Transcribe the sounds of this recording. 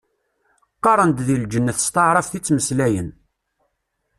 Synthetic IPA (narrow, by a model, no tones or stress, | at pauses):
qːɑɾˤənd̪ðild͡ʒənːəθst̪ɑʕɾˤɑfθit͡sːməslæjən